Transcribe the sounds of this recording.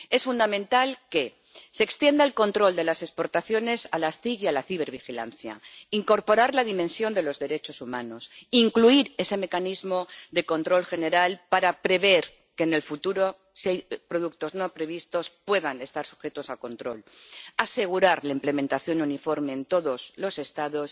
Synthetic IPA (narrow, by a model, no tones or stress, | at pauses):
e̞sfund̪amẽnt̪alke̞ | seːkst̪je̞nd̪alko̞nt̪ɾo̞ld̪e̞lase̞spo̞ɾt̪aθjo̞ne̞salast̪iɣjalaθiβe̞ɾβ̞ixila̰nθja̰iŋko̞ɾpo̞ɾaɾlaðimẽ̞nsjo̞nd̪e̞lo̞zðe̞ɾe̞t͡ʃo̞sumãno̞siŋkluiɾe̞se̞me̞kanizmo̞d̪e̞ko̞nt̪ɾo̞lxe̞ne̞ɾalpaɾapɾe̞β̞e̞ɾ | ke̞ːne̞lfut̪uɾo̞ | sejpɾo̞ðuk̚t̪o̞zno̞pɾe̞β̞ist̪o̞spwe̞ðane̞st̪aɾsu̥xe̞t̪o̞sako̞nt̪ɾo̞lase̞ɣ̞uɾaɾlaimple̞mẽnt̪aθjo̞nunifo̞ɾme̞ːnt̪o̞ðo̞zlo̞se̞st̪aðo̞s